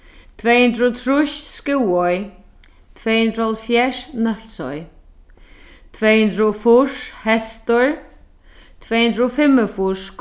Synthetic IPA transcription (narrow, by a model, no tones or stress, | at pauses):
t̪ʰvɛhʏnd̪ɾt̪ʰɾuʃskɪwɔj | t̪ʰvɛjhund̪ɾhɔlfjɛʂnœl̥sɔ̰j | t̪ʰvɛhʊnd̪ɾʊɔfʊʂhɛst̪əɹ | t̪ʰvɛːhʉnd̪ɾɔfɪmːəfʊʂk